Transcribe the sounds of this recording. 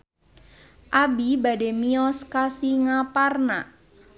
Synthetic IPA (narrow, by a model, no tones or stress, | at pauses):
ʔabibademiɔskasiŋaparna